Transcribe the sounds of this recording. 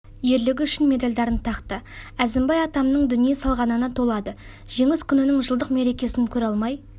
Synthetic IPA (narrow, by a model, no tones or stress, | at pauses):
je̞ɾlɪɡʲʏʃɪnme̞d̪ɑlʲd̪ɑɾənt̪ʰɑqt̪əæzɪmbɑjɑt̪ɑmnəɴd̪ʏnijesɑlˠʁɑnənət̪ʰo̞lˠɑd̪ə | ʒ̥e̞ŋɪskʲʰʏnɪnɪŋʒəlˠd̪əqme̞ɾe̞kʲe̞sɪnkʲʰɵɾɑlˠmɑj